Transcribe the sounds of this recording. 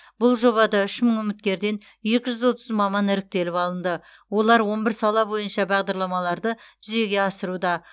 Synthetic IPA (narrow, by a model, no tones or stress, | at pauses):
b̥ʊlˠʒo̞βɑd̪ɑʏʃməŋʏmɪt̪̚kʲe̞ɾd̪e̞n | ʒe̞kʲɪʒʏzwo̞t̪əzmɑmɑnɪɾɪk̚t̪e̞lɪpɑlˠənd̪ə | wo̞lˠɑɾwo̞nbɪɾsɑlˠɑbo̞jənʃɑbɑʁd̪ɑɾlˠɑmɑlˠɑɾd̪əʒʏze̞ɡʲe̞ɑsəɾud̪ɑ